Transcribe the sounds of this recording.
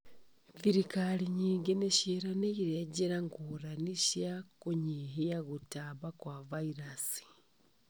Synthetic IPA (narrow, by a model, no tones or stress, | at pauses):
viɾikaliɲiːŋɡeneʃeɾaneiɾeɟeɾaŋɡuːɾaniʃjakuɲiɦiaɣutaβakwavaiɾasi̥